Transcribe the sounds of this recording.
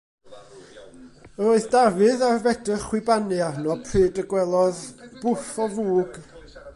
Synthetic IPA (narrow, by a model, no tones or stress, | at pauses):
əoɨθdavɨðarvɛdəχwɪbanɨarnɔpʰrɨːdəɡwɛlˠɔðb̥ʊfɔvuːɡ̥